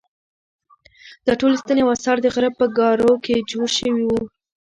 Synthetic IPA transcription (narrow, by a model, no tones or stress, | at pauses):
d̪̥ɑʈolest̪aneawasɑɾd̪əɣaɾab̚pːəɡɑɾoked͡ʒoɽʃəwiwu